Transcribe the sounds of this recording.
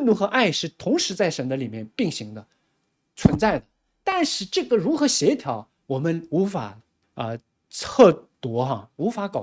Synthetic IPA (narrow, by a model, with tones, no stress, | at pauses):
nt̪u˧˥xɤ˧˥ʔa˥˩ɪʂɻ̩˥˩t̪ʰʊ˧˥ŋʂɻ̩˧˥t͡sa˥˩ɪʂə˧˥nd̪ə˧li˨˩mjɛ˥˧npi˥˩ŋɕi˧˥ŋd̪ə˧ | t͡sʰwə˧˥nt͡sa˥˩ɪd̪ə˩ | t̪a˥˧nʂɻ̩˥˧ʈ͡ʂɤ˥˩ɡə˩ɻu˧˥xɤ˧˥ɕjɛ˧˥t̪ʰjɑ˧˥ʊ | wɔ˨˩mə˦nu˧˥fa̰˨˩ | ə˧ | t͡sʰɤ˥˩t̪wɔ˧˥xɐ˧u˧˥fa˧˥kɑ˨˩